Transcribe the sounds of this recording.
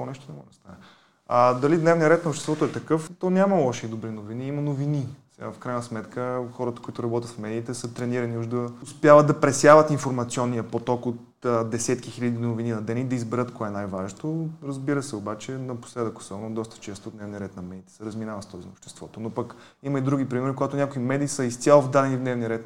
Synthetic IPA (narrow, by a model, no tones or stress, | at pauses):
ɔnɛʃt̪onɛmɔ̰ʒd̪st̪a̰nɛ | ɐd̪ɐlid̪nɛvniəɾɛt̪nɐopʃt̪ɛst̪vɔt̪oɛt̪ɐkɤft̪ɔnʲamɐlˠɔʃid̪obɾinoviniimɐnovinisɛɡafkɾajnəsmɛt̪kəxɔɾət̪ə̥koit̪ʊɾɐbɔt̪ʲjət̪fmɛd̪iːt̪ɛsət̪ɾɛniɾɐniuʒd̪əʊspjavət̪̚d̪ɐpɾɛsjavət̪infoɾmɐt̪siɔnːijəpot̪ɔkot̪ | əd̪ɛsɛt̪kixiʎʲəd̪inovininɐd̪ɛnid̪ɐizbɛɾət̪kɔɛɛnajvaʒnt̪oɾɐzbiɾəsɛobat͡ʃɛnɐpo̥slɛd̪əko̥sɛnɔd̪ɔst̪ə̥t͡ʃɛst̪oːd̪nɛvnijəɾɛt̪nɐmɛd̪iːt̪ɛ̥sɛɾɐzminavət̪st̪ɔzḭno̰pʃt̪ɛ̥st̪v̥ɔ̰t̪onopək | imɐid̪ɾuɡ̟ipɾimɛɾikoɡat̪ʊnʲakoimɛd̪iːsəist̪sʲjalˠvd̪ad̪ɛnivd̪nɛvniəɾɛt̪